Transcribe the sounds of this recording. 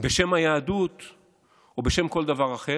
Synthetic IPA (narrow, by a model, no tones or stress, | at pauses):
be̞ʃemhajaːd̪ut̪ | obeʃe̞mko̞ld̪avaʁaχe